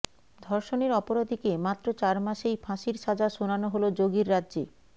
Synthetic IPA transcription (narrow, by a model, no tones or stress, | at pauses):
d̪ʱɔɾʃoneɾɔpoɾad̪ʱikemat̪ːɾot͡ɕaɾmaʃejfʰãʃiɾʃad͡ʑaʃonanoɦolod͡ʑoɡiɾːadːʑe